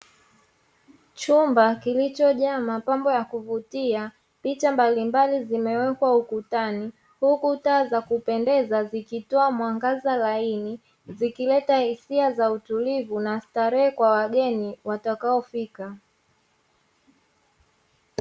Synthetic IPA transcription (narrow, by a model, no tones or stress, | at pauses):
t͡ʃumbakilit͡ʃɔʄamapambɔjakuvutia | pit͡ʃambalimbalizimɛwɛkwaukutani | hukutaːzakupɛndɛzazikitɔamwaŋɡazalaini | zikilɛtahisiazautulivunastaɾɛɛkwawaɠɛniwatakaɔfika